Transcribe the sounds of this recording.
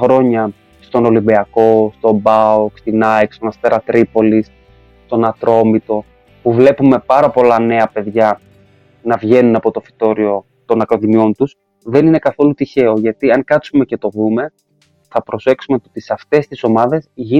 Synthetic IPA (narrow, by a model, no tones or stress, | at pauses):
xɾo̞ɲɐ | st̪o̞no̞limbiɐko̞st̪o̞bɐukst̪inɐjksonɐst̪eɾɐt̪ɾipo̞lis | st̪o̞nɐt̪ɾo̞mit̪o̞ | puvle̞pume̞pɐɾɐpo̞lɐne̞ɐpe̞ðʝɐ | nɐvʝe̞nunɐpo̞t̪o̞fi̥t̪o̞ɾio̞ | t̪o̞nɐkɾo̞ðimio̞nt̪us | ðe̞nine̞kɐθo̞lut̪içe̞o̞ʝɐt̪iɐŋkɐt̪sume̞ce̞t̪o̞ðume̞ | θɐpɾo̞se̞ksumeoot̪isɐft̪e̞st̪iso̞mɐðe̞zʝi